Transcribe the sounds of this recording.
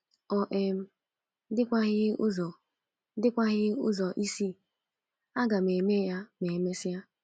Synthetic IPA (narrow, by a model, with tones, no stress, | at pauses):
ɔ˨ʔe˨m̩˦ | dɪ˦kʷa˦ɣɪ˦ʊ˦zɔ˨˦ | dɪ˦kʷa˦ɣɪ˦ʊ̰˦zɔ˨ʔi˦si˦ | a˦ɡa˨m˨e˨me˦ja˦me˨me˦sɪ˦a˦